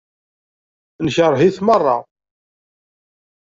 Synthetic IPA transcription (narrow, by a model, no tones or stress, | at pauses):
nçəɾˤɦiθmərˤːɑ̰